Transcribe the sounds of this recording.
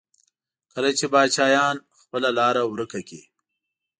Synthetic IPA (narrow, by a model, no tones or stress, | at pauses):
kəlat͡ʃebɑːd̪ʃɑːjɑːn | xpəlalɑːɾawɾəkaki